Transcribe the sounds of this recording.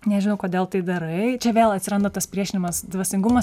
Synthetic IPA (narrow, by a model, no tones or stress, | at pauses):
nʲɛʒʲɪnɐʊkoːd̪ʲeːlˠt̪ɐɪd̪ɐɾɐɪt͡ʃʲɛʋʲeːlˠɐt̪ʲsʲɪɾɐnd̪ot̪ɐspʲɾʲiɛʃʲɪnʲɪmɐsd̪ʋɐsʲɪŋɡʊmɐs